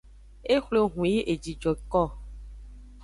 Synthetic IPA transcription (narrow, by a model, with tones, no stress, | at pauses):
e˦xlo˨ɦũ˨ji˦ʔe˨d͡ʒi˨d͡ʒɔ˨kɔ˦˨